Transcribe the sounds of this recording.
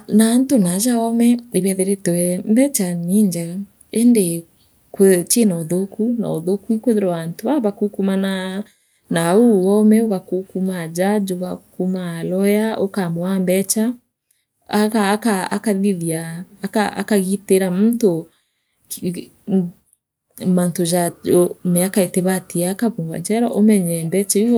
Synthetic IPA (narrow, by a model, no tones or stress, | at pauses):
naːntonad͡ʒaɔmɛeβɛðeɾetwɛmbɛt͡ʃaniɲd͡ʒa | ende | kt͡ʃenaoðokuna̰oðokuikweðeɾɔantoaβakukumana | nauɔmɛoɣakukumad͡ʒad͡ʒoɣakumalɔjaʔokamɔambɛt͡ʃa | akakaa̰kaðiðiaːkaa̰kaɣiteɾamunto | mantod͡ʒamɛakaeteβatiaːkaβumba̰ɲd͡ʒɛɾɔʔomɛɲɛmbɛt͡ʃai